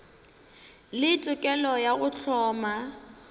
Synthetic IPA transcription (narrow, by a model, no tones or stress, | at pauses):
lɪt͡sʼʊkʼɛlɔjaɣʊt͡ɬʰɔːma